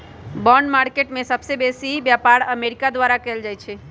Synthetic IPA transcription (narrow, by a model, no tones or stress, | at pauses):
bɔɳɖmaːɾkeʈmẽsəbsebesibjapaɾəmeɾikad̪ʋaɾakɛːld͡ʒaːjt͡ʃʰe